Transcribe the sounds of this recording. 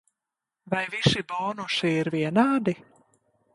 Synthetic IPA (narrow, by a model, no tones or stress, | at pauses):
vajvisiboːnuʃiiɾviɛnaːd̪i